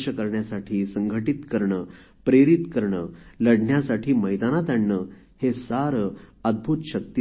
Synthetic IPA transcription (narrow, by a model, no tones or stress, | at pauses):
ɕəkəɾɳjasaʈʰiːsəŋɡʱəʈit̪kəɾɳəː | pɾeɾit̪kəɾɳələɽɳjasaʈʰiːməjd̪anat̪aɳːə | hesaɾəd̪̚bʱuːt̪ɕək̚t̪i